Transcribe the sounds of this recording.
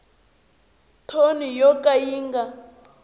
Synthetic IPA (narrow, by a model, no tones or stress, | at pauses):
tʰonijɔkʼajiːŋɡa